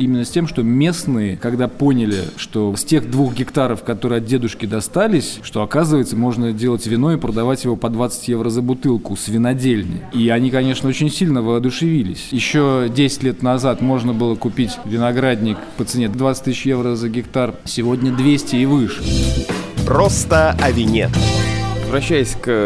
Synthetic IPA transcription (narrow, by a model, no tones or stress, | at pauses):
imʲɪnːəsʲtʲemʂt̪o̞mʲe̞snɨjəkɐɡd̪apo̞nʲɪlʲɪ̰ʂt̪o̞sʲtʲe̞xd̪vuxɡʲɪkt̪aɾəfkɐt̪o̞ɾɨɪɐt̪̚dʲe̞d̪ʊʂkʲɪd̪ɐst̪alʲɪsʲʂt̪oɐkazɨvəjɪt̪səmo̞ʐnədʲelˠətʲvʲɪno̞ɪpɾəd̪ɐvatʲjɪvo̞pɐd̪vat̪sɨ̥tʲje̞vɾəzəbʊt̪ɨlˠkʊsvʲɪnɐdʲelʲnɪ̰jiɐnʲikɐnʲe̞ʂnəo̞t͡ɕɪnʲsʲilʲnəvəɐd̪ʊʂɨvʲilʲɪ̰sʲjɪɕːo̞dʲesʲɪ̥tʲlʲe̞t̪nɐzat̪mo̞ʐnəbɨlˠəkʊpʲitʲvʲɪnɐɡɾadʲnʲɪkpət̪sɨnʲed̪d̪vat̪sɨ̥t̪ʲɨsʲɪɕjevɾəzəɡʲɪkt̪arsʲɪvo̞dʲnʲəd̪vʲesʲtʲɪːvɨʂɨ̥ | pɾost̪əɐvʲɪnʲḛ | vɾɐɕːæjɪsʲk